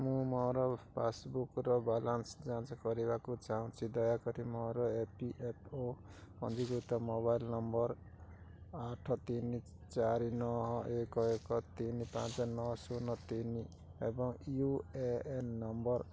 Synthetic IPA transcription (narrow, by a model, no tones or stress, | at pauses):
mũmɔɾɔpʰesbukɾɔbalansd͡zãnt͡sɔkʌɾibakot͡ʃaɦũt͡sʰid̪ʌjakʌɾimɔɾɔepiʔepʰo | pʌ̰nd͡zikut̪ɔmoβajlnʌmbʌɾ | aʈʰɔt̪ini | t͡saɾinɔɦɔ̃ʔekɔekɔt̪inipã̰t͡sɔnɔsunʌt̪ini | ebɔŋjueenːʌmbʌr